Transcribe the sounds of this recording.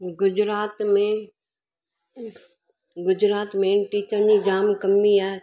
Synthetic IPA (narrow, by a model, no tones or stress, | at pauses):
ɡʊd͡ʒɾaːt̪mẽ | ɡʊd͡ʒɾaːt̪mẽʈiːt͡ʃəid͡ʒaːmkəmːiɛː